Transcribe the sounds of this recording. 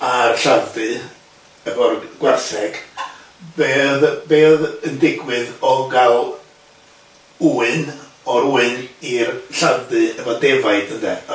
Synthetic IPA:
arɬandɨ | əvɔrɡ̥warθɛɡ̥ | beːðbeːðəndɪɡwɨðɔɡalˠ | uːɨn | ɔɾuːɨnirɬandɨəvɔdɛvaɨdəndɛ

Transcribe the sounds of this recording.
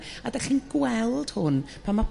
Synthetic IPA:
adaχiːnɡwɛlˠd̥hʊn | pʰamːap

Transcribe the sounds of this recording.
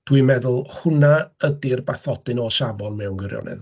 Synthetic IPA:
d̥wimɛðʊlˠhʊnaədɪrbaθɔdɨnɔʃavɔnmɛwnɡwɪɾjɔ̰nʔɨ̰ð

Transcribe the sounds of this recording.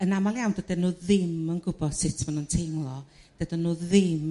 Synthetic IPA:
ənamalˠjawndədɛnuːðɪmənɡʊbɔð̥sɪtʰmanuntʰejmlˠɔ | d̥ədɛnuːðɪm

